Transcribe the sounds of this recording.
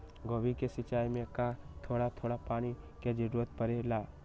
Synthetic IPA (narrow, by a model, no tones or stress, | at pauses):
ɡoʋikesɪt͡ʃaːjmẽkat̪ʰoːɽat̪ʰoːɽapaːni | ked͡ʒɪɾʋət̪pəɾelaː